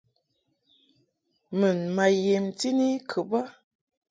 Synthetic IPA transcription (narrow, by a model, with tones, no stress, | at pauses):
mə˨nma˨je˨mti˦ni˦kʰə˨ba˦